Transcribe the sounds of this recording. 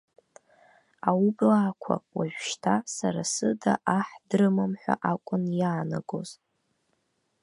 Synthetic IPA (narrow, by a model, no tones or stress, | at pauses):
awublaːkʷʰa̰waʒʷᶣʃtʰasaɾasɨdaʔaħdrɨmamħʷᶣa̰ʔakʷʼʊnjaːnaɡoz̥